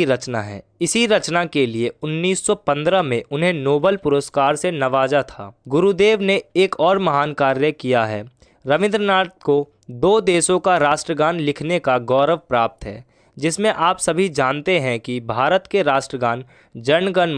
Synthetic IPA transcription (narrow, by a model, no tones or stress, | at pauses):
iɾɐt͡ʃnaɦɛ̰ːɪsiɾɐt͡ʃnakelieʊnːiːsːɔpɐ̃nd̪ɾəmẽʔʊnɦẽnoːbəlpʊɾəskaːɾsenɐʋaːd͡ʒat̪ʰa̰ːɡʊɾud̪eːʋneeːkɔːɾmɐɦaːnkaːɾjəkijaɦɛ̰ː | ɾɐʋɪ̃nd̪ɾənaːɾt̪̚ko | d̪oːd̪eːsõkaɾaːʃʈɾəɡãːnlɪkʰnekaɡɔːɾəʋpɾaːp̚t̪ɦɛ̰ː | d͡ʒɪsmẽʔaːpsɐbʱid͡ʒaːnt̪eɦɛ̃kibʱaːɾət̪keɾaːʃʈɾəɡaːn | d͡ʒɐɳɡən